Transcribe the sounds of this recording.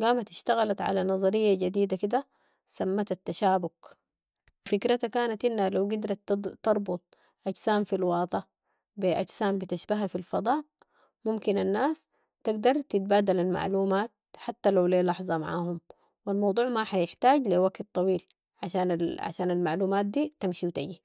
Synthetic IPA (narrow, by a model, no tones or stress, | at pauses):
ɡaːmat̪ɪʃt̪aɣalat̪ʕa̰lanɑzˤɑɾijːaɟad̪iːd̪akid̪a | samːat̪at̪ːaʃaːbʊk | fikɾat̪akaːnat̪ʔinːhalawɡid̪ɾˤɑt̪ːɑɾˤbʊt̪̚ˤ | ʔaɟsaːnfilwɑːt̪ˤɑ | biʔaɟsaːmbit̪aʃbaɦafilfɑd̪ˤɑːʔ | mumkinanːaːs | t̪ɪɡd̪ɑɾˤt̪it̪̚baːd̪alalma̰ʕluːmaːt̪̚ħat̪ːalawleːlɑħzˤɑma̰ʕa̰ːhum | wilmɑwd̪ˤuːʕmaħajɪħt̪aːɟliwaɡt̪t̪ˤːɑwiːl | ʕa̰ʃaːnaʕa̰ʃaːnalmaʕluːmaːt̪̚d̪iːt̪amʃiwt̪aɟi